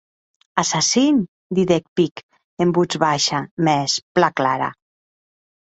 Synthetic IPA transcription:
asasin | d̪iðek̚pik | embud͡zβaʃamɛsplaklaɾa̰

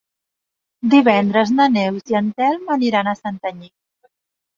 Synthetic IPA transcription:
d̪iβɛnd̪ɾəznənɛwziənt̪ɛlˠməniɾanəsant̪əɲi

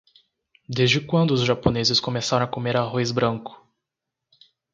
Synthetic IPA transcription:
d̪ezd͡ʒɪkwɐ̃nd̪ʊːzʒaponezɪskomesaɾɐ̃w̃akomeɾaɦojzbɾɐ̃ŋkʊ̥

